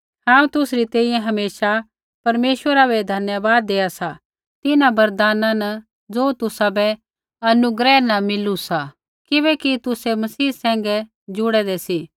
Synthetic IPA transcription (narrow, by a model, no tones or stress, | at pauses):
hãːũt̪ʊsɾit̪ɛ̃ːĩjɛ̃ɦɐmeːʃa | pɐɾmeːʃwəɾabɛd̪ʱɐnjəbaːd̪ːeːasa | t̪ɪnãbɐɾd̪aːnãnɐ | d͡zoːt̪ʊsabɛ | ɐnʊɡɾɛːnɐmɪlusa | kɪβɛkit̪ʊsɛmɐsiːsɛ̃ːŋɡɛ | d͡ʒʊɽɛd̪ɛsi